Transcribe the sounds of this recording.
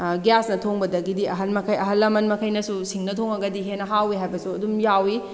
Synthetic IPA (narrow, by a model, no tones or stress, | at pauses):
ɡjasnɐtʰoŋbɐdɐɡidiɐɦɐnmɐkʰɐjɐɦɐlːɐmɐnmɐkʰɐjnɐsusiŋnɐtʰoŋɐɡɐdiɦenːɐɦawiɦajbɐsuɐdumjawi